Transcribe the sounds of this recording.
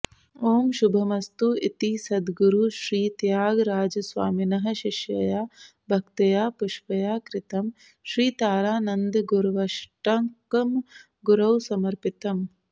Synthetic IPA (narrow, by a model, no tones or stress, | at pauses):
oːmʃubʱɐmɐst̪uit̪isɐd̪ɡuɾuʃɾiːt̪jaːɡɾaːd͡ʒɐsʋa̰ːminɐɦɐ̆ʃiʃjɐjaː | bʱɐkt̪ɐjaːpuʃʋɐjaːkɾɪt̪ɐm | ʃɾiːt̪aːɾaːnɐnd̪ɡuɾʋɐʃʈɐŋkɐm | ɡuɾɐwsɐmɐɾpit̪ɐm